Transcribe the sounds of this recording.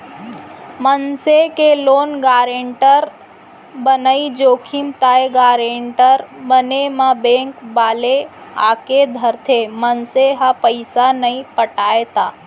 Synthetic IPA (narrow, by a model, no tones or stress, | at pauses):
mənsekeloːnɡaːɾeɳʈəɾ | bənəid͡ʒoːkʰɪmt̪aːeɡaːɾẽːɳʈəɾbənemãbẽːŋkbaːlea̰ːked̪ʱəɾt̪ʰemənseɦapəɪsanəĩpəʈaːet̪aː